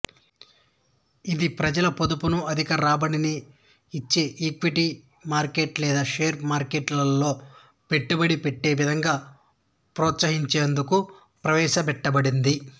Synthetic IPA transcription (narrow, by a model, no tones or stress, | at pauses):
id̪ipɾɐd͡ʒɐlɐpod̪upunuɐd̪ʱikɐɾaːbɐniniː | t͡ʃːiiːkʋiʈi | maːɾkeːʈlɛːd̪aːʃeːɾmaːɾkeʈlɐlːo̞ː | pe̞ʈːubɐɽipeʈːe̞ːʋid̪ʱɐŋɡaː | pɾɔːt̪sɐɦiɲt͡ʃeːnd̪uku | pɾɐʋɛːʃɐpɛʈːɐbɐɽind̪i